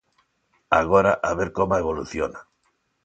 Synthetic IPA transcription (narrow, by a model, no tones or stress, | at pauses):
a̰ɣoɾaʔaβeɾkomaeβ̞oluθjona